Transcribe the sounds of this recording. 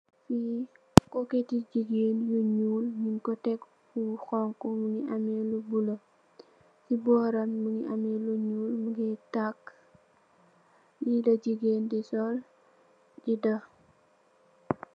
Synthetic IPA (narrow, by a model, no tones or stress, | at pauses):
fi | kɔketiɟiɡenjuɲuːlminkɔtɛk | uxɔŋkɔmuŋiʔɐmɛlubulɐ | sibɔːɾɐnmuŋiʔɐmɛluɲuːlmuɡɛtakː | jidɐd͡ʒiɡeːndisɔl | ɟidɐ